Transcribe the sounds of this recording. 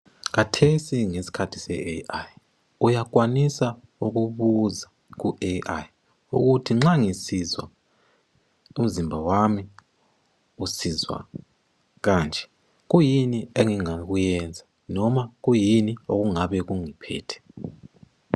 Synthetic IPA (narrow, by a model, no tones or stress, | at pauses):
k̬atʰesiŋesi̥kʰatʰi̥sɛeaj | ujak̬ʼwanisa | uk̬uβuza | k̬uʔeʔaj | ṵk̬utʰiŋ͡ǁaŋisizwa̰ | um̩zimbʱawami | usizwa̰ | k̬aːnd͡ʒʱɛ̥ | k̬ujinieŋiŋak̬ujɛnd͡zʱa | nɔmak̬ujinioɣ̬uŋaɓɛkuŋipʰɛ̰ːtʰɛ̥